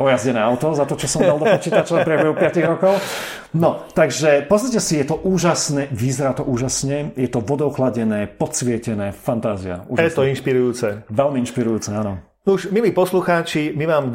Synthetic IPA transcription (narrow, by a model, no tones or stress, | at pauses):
ʔɔjazɟɛnɛːaʊt̪ɔzat̪ɔt͡ʃɔsɔmalˠd̪ɔpɔt͡ʃiːt̪at͡ʃɔapɾiɛbɛɦupɪaciɣɾɔkɔʊ | nɔt̪aɡʒɛpɔsnacɛsijɛt̪ɔʔuːʒasnɛʋizɛɾat̪ɔʔuːʒasɲɛjɛt̪ɔʋɔd̪ɔʊxlaɟɛnɛːpɔsʋɪɛcɛnɛːfant̪aːzia̰ṵːjaɛst̪ɔinʃpiɾujuːt͡sɛʋɛlmiinʃpiɾujuːt͡sɛaːnɔ | nuʒmiliːpɔsluxaːt͡ʃimimaːm